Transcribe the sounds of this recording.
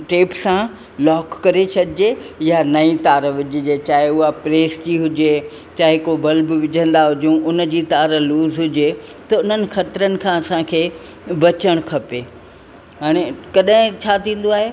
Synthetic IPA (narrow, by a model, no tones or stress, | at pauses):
ʈeːpsã | lɔːkːɐɾet͡ɕʰɐɗɪd͡ʑejanɐĩt̪aːɾʋɪd͡ʑʱɪd͡ʑet͡ɕaːɦɪʊɦapɾeːsd͡ʑiɦʊd͡ʑe | t͡ɕaːɦekobɐlbɪʋɪʄʱə̃nd̪aɦʊd͡ʑũʔʊnd͡ʑiːt̪aːɾluːzɦʊd͡ʑet̪ɐʊn̤ənɪ̆xɐt̪ɾənɪ̆kʰãːɐsãkʰeː | bɐt͡ɕəɽ̃kʰɐpeː | ɦaːɽ̃ekɐɗɦɪ̃t͡ɕʰaːt̪ʰĩːn̆d̪oaːɦe